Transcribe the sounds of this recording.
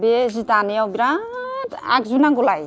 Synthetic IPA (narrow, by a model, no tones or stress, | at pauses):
bezit̪anijawbiɾat̪a̰kzunaɡulaj